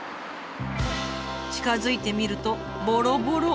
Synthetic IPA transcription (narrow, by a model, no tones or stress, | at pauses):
t͡ɕi̥kazɨit̪e̞mʲiɾɯ̟t̪o̞ | boɾo̞boɾo